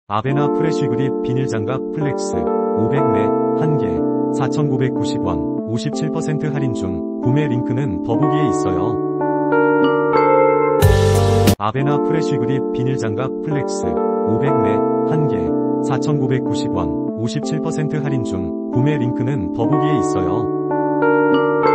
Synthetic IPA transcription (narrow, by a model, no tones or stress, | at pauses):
a̰be̞napʰɯɾeɕʰiɡɯɾip̚p͈iɲiɭd͡ʑaŋɡapʰɯɭːe̞k̚s͈ɯ̰obe̞ɡme̞hanɡe̞̰sʰat͡ɕʰʌnɡobe̞k̚k͈uɕʰibwʌ̰n | oɕʰip̚t͡ɕʰiɭpʰʌsʰe̞ntʰɯɦaɾind͡ʑuŋ | kume̞ɾiŋkʰɯnɯnpʌbuɡie̞is͈ʌ̰jo̰ | a̰be̞napʰɯɾeɕʰiɡɯɾip͈iɲiɭd͡ʑaŋɡapʰɯɭːe̞k̚s͈ɯ̰obe̞ɡme̞hanɡe̞̰sʰat͡ɕʰʌnɡobe̞k̚k͈uɕʰibwʌ̰n | oɕʰip̚t͡ɕʰiɭpʰʌsʰe̞ntʰɯɦaɾind͡ʑuŋ | kume̞ɾiŋkʰɯnɯnpʌbuɡie̞is͈ʌ̰jo